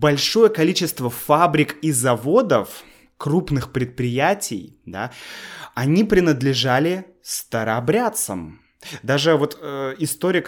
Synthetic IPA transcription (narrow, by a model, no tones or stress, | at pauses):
bɐlʲʂo̞jəkɐlʲit͡ɕɪst̪vəfabɾʲɪkizɐvo̞d̪əf | kɾupnɨxpɾʲɪt̪̚pɾʲɪjætʲɪ̰jd̪a̰ | ɐnʲipɾʲɪnəd̪lʲɪʐalʲɪ | st̪əɾɐbɾʲat̪sə̰m | d̪aʐɨvo̞t̪ɪst̪o̞ɾʲɪk